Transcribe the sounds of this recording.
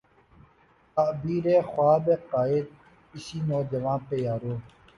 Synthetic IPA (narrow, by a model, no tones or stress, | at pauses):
aːbiːɾeːxwaːbeːqaːɪd̪̚ | ɪsiːnoːd͡ʒəʋãːnpeːjaːɾoː